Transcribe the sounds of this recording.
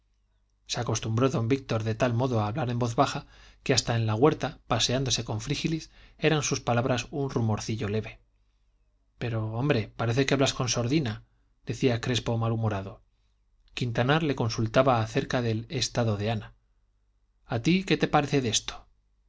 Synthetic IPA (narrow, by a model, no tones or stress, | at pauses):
seako̞st̪umbɾo̞ðo̞mbik̚t̪o̞ɾðe̞t̪almo̞ðo̞aːβlaɾe̞mbo̞θβaxakeast̪ae̞nlaɣ̞we̞ɾt̪apase̞and̪o̞se̞ko̞ɱfɾixilise̞ɾansuspalaβɾasunrumo̞ɾθiʝo̞le̞βe̞ | pe̞ɾoo̞mbɾe̞paɾe̞θe̞keaβlasko̞nso̞ɾðina | d̪e̞θiakɾe̞spo̞malumoɾaðo̞ | kint̪anaɾle̞ko̞nsult̪aβaːθe̞ɾkaðe̞le̞st̪aðo̞ðe̞ana | at̪ike̞t̪e̞paɾe̞θe̞ðe̞st̪o̥